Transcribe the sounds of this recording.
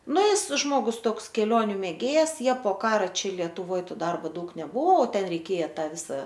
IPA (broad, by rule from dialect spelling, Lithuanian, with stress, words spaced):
ˈnʊ ˈjɪs ˈʒmoːɡʊs ˈtoːks kʲɛˈlʲoːnʲʊ mʲeːˈɡʲeːjɛs ˈjiɛ poː ˈkɑːrɐ ˈt͡ʃʲɛ lʲiɛtʊˈʋoːj ˈtoː ˈdɐrboː ˈdɐʊk nʲɛˈbʊʋoː oː ˈtʲɛn rʲɛɪˈkʲeːjɛ ˈtɐ ˈʋʲɪsɐ